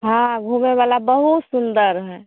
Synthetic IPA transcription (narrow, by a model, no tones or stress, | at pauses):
ɦãɡʱuːmeʋaːlabəɦut̪sʊnd̪əɾɦɛː